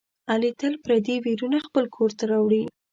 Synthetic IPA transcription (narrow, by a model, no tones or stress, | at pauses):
alit̪əlpɾad̪ewiɾunaxpəlkʰoɾt̪aɾawɽi